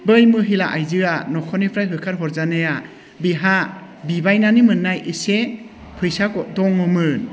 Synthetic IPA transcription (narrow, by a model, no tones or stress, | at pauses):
bɯjmɯɦilaʔajzɯanɔkʰɔnipʰɾajɦɯkʰaɾɦɔɾzaneja | biɦa | bibajnanimɯnːajise | pʰɯjsadɔŋɔmɯn